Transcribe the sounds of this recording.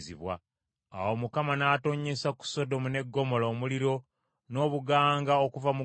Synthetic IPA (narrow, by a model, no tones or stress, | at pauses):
ziβwa̰ | a̰wo̞mukamanaːto̞ɲe̞saku̥so̞do̞mune̞ɡːo̞mo̞lo̞ːmuliɾo̞ | no̞ːβuɡaːŋɡaokuvamu